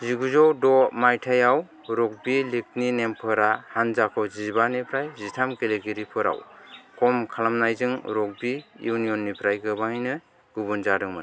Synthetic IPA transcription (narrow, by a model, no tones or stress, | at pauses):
ziɡuzɔwdɔmajtʰajaw | ɾɔk̚bilik̚ninempʰɯɾahanzakʰɔzibanipʰɾajzitʰamkeleɡiɾipʰɯɾa̰wkʰɔmkʰalamnajzɯŋɾɔk̚bijunijɔnːipʰɾajkʰɯbahjnɯ | ɡ̥ubɯnzadɯŋmɯ̰n